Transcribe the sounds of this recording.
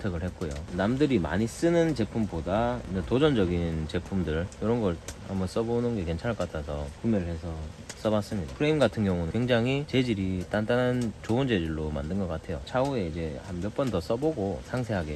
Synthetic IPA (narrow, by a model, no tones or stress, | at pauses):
tʰeɡɯɭhe̞t̚k̚k͈ojo̰namdɯɾima̰ɲis͈ɯnɯnt͡ɕe̞pʰumbodanetod͡ʑʌnd͡ʑʌɡint͡ɕe̞pʰumdɯɭjʌɾʌnɡʌɭamʌs͈ʌbonɯnɡe̞ke̞nt͡ɕʰaɭk͈atʰasʰʌkumjʌɾɯɭhe̞sʰʌs͈ʌbas͈ɯmɲidapʰɯɾeimɡatʰɯnɡjʌŋunɯkweŋd͡ʑaŋɦit͡ɕe̞d͡ʑiɾit͈ant͈anant͡ɕoɯnd͡ʑe̞d͡ʑiɭːoma̰ndɯnɡʌk͈atʰe̞jo̰t͡ɕʰaue̞id͡ʑe̞hambjʌp͈ʌntʌs͈ʌboɡosʰaŋsʰe̞ɦaɡe̞